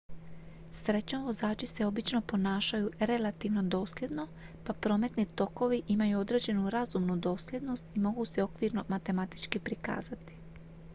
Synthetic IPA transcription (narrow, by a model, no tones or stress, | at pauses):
sɾe̞t͡ɕnoʋo̞zaːt͡ʃise̞o̞bit͡ʃno̞po̞naːʃajuɾe̞lat̪iʋno̞d̪o̞ːslʲje̞d̪no̞ | papɾo̞ːme̞t̪nit̪o̞ko̞ʋiʔimajuo̞d̪ɾe̞d͡ʑe̞nuɾazumnud̪o̞ːslʲe̞d̪no̞st̪imo̞ɡuse̞o̞kʋiːɾno̞mat̪e̞mat̪i̥t͡ʃkipɾika̰ːzat̪i̥